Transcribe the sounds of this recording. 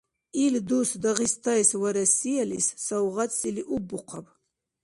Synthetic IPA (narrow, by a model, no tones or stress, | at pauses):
ild̪usd̪aʁist̪ʰajswaɾɐsijalissawʁatsiliʔubːuqʰʷap